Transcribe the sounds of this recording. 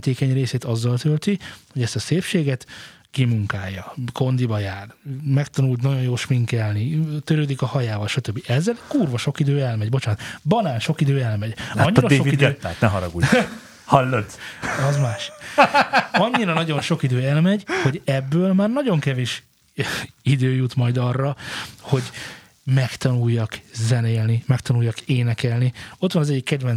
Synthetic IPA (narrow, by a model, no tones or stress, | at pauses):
t̪eːkɛɲreːseːt̪ɒzːɒlt̪ølt̪iho̞ɟɛst̪ɒseːfʃeːɡɛt̪ | kimuŋkaːjːɒko̞nd̪ibɒjaːrmɛkt̪ɒnult̪nɒɟo̞jjoːʃmiŋkɛlnit̪øɾøːd̪ikɒhɒjaːvɒlʃɒt̪øbːiʔɛzːɛlkuːrvɒʃo̞kid̪øːɛlmɛɟbo̞t͡ʃant̪bɒnaːnʃo̞kid̪øːɛlmɛɟɒɲːɾɒdeʃːoviid̪ɛt̪ːa̰ːt̪nɛɦɒɾɒɡṵ | hɒlːot̪ɒzmaːʃ | ɒɲːiɾɒnɒɟo̞nʃo̞kid̪øːɛlmɛɟho̞ɟɛbːøːlmaːrnɒɟo̞ŋkɛveːʃ | id̪øːjut̪mɒjd̪ɒrːɒho̞ɟ | mɛkt̪ɒnujːɒkzɛneːlnimɛkt̪ɒnujːɒkeːnɛkɛlnio̞t̪ʋɒnɒzɛɟːikːɛd̪vɛn